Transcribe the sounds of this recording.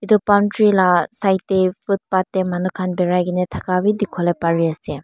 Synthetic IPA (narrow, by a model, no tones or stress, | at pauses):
idupantɾilasajtːepʰut̚patːemanukʰanbeɾajɡinetʰakabidikʰɔlepaɾiɐse